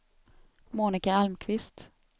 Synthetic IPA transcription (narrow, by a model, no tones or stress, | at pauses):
muːnɪkaalmkʰvɪst̪